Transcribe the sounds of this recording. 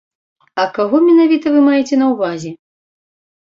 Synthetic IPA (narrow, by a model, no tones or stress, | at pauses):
ɐkaɣɔmʲɛnavʲit̪ɐvɨmajɛt͡sʲɛnɐwvazʲɛ